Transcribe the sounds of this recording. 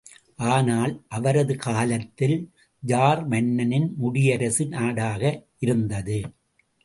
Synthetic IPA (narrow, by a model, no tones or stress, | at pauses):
ʔaːnaːlʔɐʋɐɾɐðɯkaːlɐt̪ːɪl | d͡ʒaːɾmɐɳːɐnɪnmʊɽɪjɐɾɐsɯnaːɽaːɣɐʔɪɾɯnd̪ɐðɯ